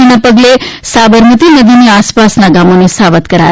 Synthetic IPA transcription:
iñapəɡlesaʋəɾmət̪inəd̪ʱiniaspasnaɡamonesaʋət̪kəɾa̰j

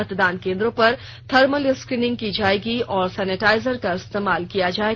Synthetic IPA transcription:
ɐt̪d̪aːnkẽːnd̪ɾõpɐɾ | t̪ʰɐɾməlɪskɾiːnɪ̃ŋɡ̚kid͡ʒaːeːɡiɔːɾsɛːnɪʈaːɪzəɾkaɪst̪eːmaːlkijad͡ʒaːe

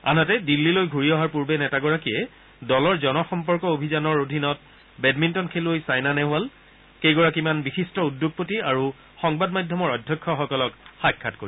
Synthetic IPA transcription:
a̰natɛdilːilojɡʱuɹiɔɦaɹpuɹbɛnɛtaɡɔɹakiɛ | dɔlɔɹzɔnɔxɔmpɔɹkɔobʱizanɔɹodʱinɔt̚ | bɛdmintɔnkʰelojsajnanɛɦʊal | kejɡɔɹakimanbixistɔudːoɡ̚potiaɹu | xɔŋbadmajdʱjɔmɔɹɔdʱjɔkʰːɔxɔkɔlɔkxajkʰːatko̰i

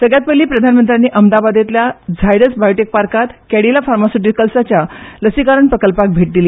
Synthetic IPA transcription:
səɡɭjat̪̚pəliːpɾəd̪ʱanmənt̪ɾjanːiːʔəmd̪abad̪et̪ljad͡zʱajɽəsbajʈek̚paɾkat̪kɛɽilafaɾmasuʈ̬ikəlsat͡ɕjaləsikaɾəɳpɾəkəlpak̚bʱeʈ̚d̪iliː

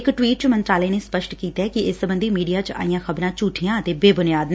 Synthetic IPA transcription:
kʈwiːʈt͡ʃmənt̪ɾaːlɛːneːspəʃʈkiːt̪aːkɪɪsːəbənd̪iːmiːɖijaːt͡ʃa̰ːijãːxəbɾãːt͡ʃuːʈʰijãːət̪eːbeːbʊnɪjaːd̪n

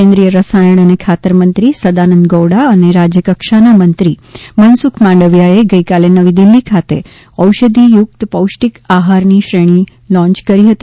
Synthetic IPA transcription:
ẽnd̪ɾijəɾəsajəɳ̃ənekʰat̪əɾmənt̪ɾisəd̪anənd̪ɡowɽaəneɾad͡ʒjəkəkʃanamənt̪ɾimənsukʰmãɳɖəʋjaeɡəikalenəʋid̪ilːikʰat̪ḛ | əwʃəd̪ʱijuk̚t̪pəwʃʈikaɦaɾniʃɾeɽ̃i | lɔ̃ɲt͡ʃkəɾiɦət̪i

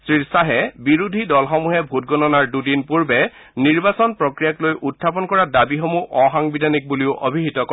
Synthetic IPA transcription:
sɹiɹsaɦɛbiɹudʱidɔlxɔmuɦɛbʱut̚ɡɔnɔnaɹdudinpuɹbɛ | niɹbasɔnpɹɔkɹijaklojʔutʰːap̬ɔnkɔɹadabixɔmuʔɔxaŋbidʱanik̚buliʊʔobʱiɦitɔkɔ

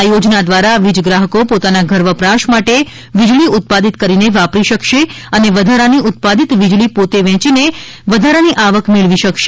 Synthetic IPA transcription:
ajod͡ʒnad̪ʋaɾaʋid͡ʒɡɾaɦəkopot̪anaɡʱəɾʋəpɾaʃmaʈe | ʋid͡ʒɭiʊt̪̚pad̪it̪̚kəɾineʋapɾiʃəkʃe | əneʋəd̪ʱaɾaniʔʊt̪̚pad̪it̪ʋid͡ʒɭipot̪eʋɛ̃t͡ʃine | ʋəd̪ʱaɾaniʔaʋəkmɪɭʋiʃəkʃe̥

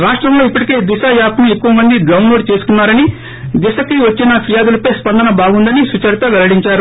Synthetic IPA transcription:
ɾaːʂʈɾɐmlo̞ːipːɐʈike̞ːd̪iʃajaːt̪ɐnuekːuʋɐmɐnd̪idlɐwnlo̞ːɖ̚t͡ʃe̞ːsu̥kunːaːɾɐni | d̪isɐkiʋɐt͡ʃːinɐpʰiɾjaːd̪ulɐpɐjspɐnd̪ɐnɐbaːɡund̪ɐnisut͡ʃɐɾt̪ɐʋɛlɐɽiɲt͡ʃaːɾu

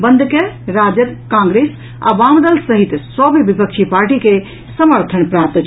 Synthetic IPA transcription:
bənd̪ʱkeɾad͡ʒəd̪kãŋɡɾes | a̰ʋamd̪əlsəɦit̪sɔbʋipəkt͡ʃʰipaɾʈike | səməɾt̪ʰənpɾap̚t̪t͡ʃʰ

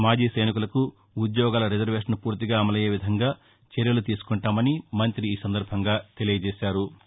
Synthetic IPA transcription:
maːd͡ʒiːsɐjnik̬ulɐkuː | d̪jɔːɡaːlɐɾed͡ʒɐɾʋe̞ːʂɐnpuːɾt̪iɡaːɐmɐlɐjeːʋid̪ʱɐŋɡaː | t͡ʃɛɾjɐlut̪iːsu̥kɔɳʈaːmɐnimɐnt̪ɾiːsɐnd̪ɐɾbʱɐŋɡaːt̪e̞lijɐd͡ʒɛːsaːɾu

